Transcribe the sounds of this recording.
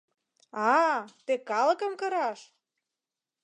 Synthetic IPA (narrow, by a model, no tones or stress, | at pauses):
ɑt̪ekɑlə̆kə̆mkɤ̆ɾɑʃ